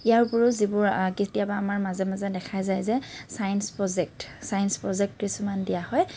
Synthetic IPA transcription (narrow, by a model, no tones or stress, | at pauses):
ijaɹpʊɹʊzibʊɹkitijabaːmaɹmazɛmazɛdɛkʰajzajzɛsajnspɹɔzɛk̚tsajnspɹɔzɛk̚tkisumandijahɔj